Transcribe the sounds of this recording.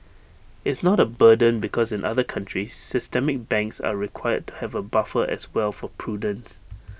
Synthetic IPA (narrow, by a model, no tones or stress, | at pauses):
ɪtsnɔɾəbədə̃nbikʰɔsɪ̃nʔa̰ðəkʰãntɹisːɪstɛmɪk̚bɛ̃ŋksa̰ɹikʰwajə̰d̚tʰːu̥hɛvəbafəʔɛ̰swɛlfɔpʰɹudə̃ns